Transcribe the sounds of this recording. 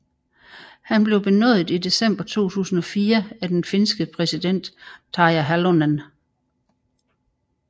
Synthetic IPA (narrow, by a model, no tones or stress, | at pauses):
hænb̥le̝ʊb̥e̝nɔ̰ðˠð̩ˠid̥e̝sem̰b̥ɐt͡sʰo̝̰ːt͡sʰṵːsn̩ɒ̽fiːɐæd̥enfe̝nsɡ̥əpʰʁɛsid̥en̰d̥t͡sʰɑ̈æɦælonæn